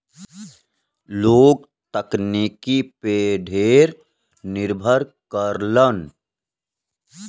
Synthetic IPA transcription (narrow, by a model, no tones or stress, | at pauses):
loːɡ̚ | t̪əknikipeɖʱeːɾ | nɪɾbʱəɾkəɾlən